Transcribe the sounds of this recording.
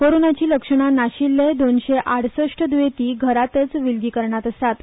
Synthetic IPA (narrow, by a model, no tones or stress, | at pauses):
koɾonat͡ɕiːləkʂəɳ̃anaɕilːed̪onɕeʔaɽ̤səʂʈəd̪ʋet̪iːɡʱəɾat̪ət͡sʋilɡiːkəɾɳjat̪əsat̪